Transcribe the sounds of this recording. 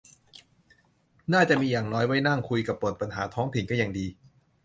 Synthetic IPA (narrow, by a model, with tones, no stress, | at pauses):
naː˥˩t͡ɕa˨˩ʔmiː˧jaː˨˩ŋnɔː˦˥jwa˦˥jna˥˩ŋkʰu˧jka˨˩pːɾu˨˩t̪̚pa˧nɦaː˩˦t̪ʰɔː˦˥ŋt̪ʰi˨˩˦nkɔː˥˩ja˨˩ŋdiː˧